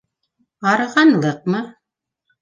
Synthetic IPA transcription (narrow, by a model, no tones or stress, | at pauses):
ɑɾɤ̆ʁɑnlˠɤq̚mɤ